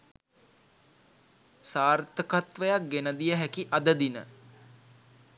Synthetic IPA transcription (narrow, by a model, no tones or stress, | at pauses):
saːrt̪əkat̪ʋəjak̚ɡenəd̪ijəɦækiʔad̪əd̪inə̰